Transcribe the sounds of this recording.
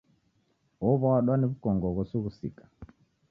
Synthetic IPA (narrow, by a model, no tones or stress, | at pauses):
ɔβɔaɗwaniβukɔŋɡɔɣɔsuɣusḭkḁ